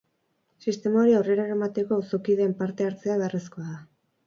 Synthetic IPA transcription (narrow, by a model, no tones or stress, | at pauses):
sist̪e̞maoɾiaore̞ɾaɾamat̪e̞ko̞usokiðe̞ːmpaɾt̪e̞aɾt͡se̞aβe̞aresko̞aða